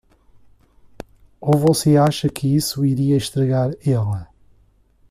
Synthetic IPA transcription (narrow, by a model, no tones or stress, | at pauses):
ovɔseaʃɐkʰɨisuiɾiɐiʃt̪ɾɐɣaɾɛlˠɐ